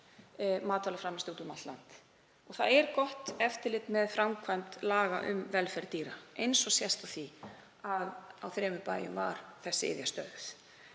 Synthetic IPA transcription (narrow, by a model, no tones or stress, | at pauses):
maːt̪ʰalafɾamɛst̪uːt̪ʏmalt̪la̰nt̪ | ɔɣθaðɛɾkɔht̪ɛft̪ɪlɪt̪mɛðfɾamkʰvajmt̪laːɣa̰ʔʏ̰mvɛlfɛɾt̪iːɾaejnsɔsjɛst̪awθi | aðawθɾɛːmʏpaːjʏmva̰ɾ̥θɛsːɪɪ̰ðjast̪œθ